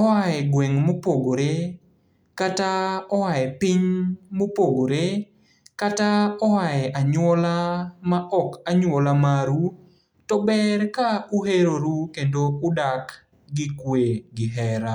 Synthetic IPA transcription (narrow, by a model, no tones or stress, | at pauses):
ɔwajɛɡwɛŋmopoɡoɾe | kataɔwaɛpɪɲmopoɡoɾe | kataɔwajɛʔaɲwɔlamaʔɔkaɲwɔlamaɾu | tɔbɛrkauheɾoɾukendoʊdak | ɡɪkweɡɪɦɛɾa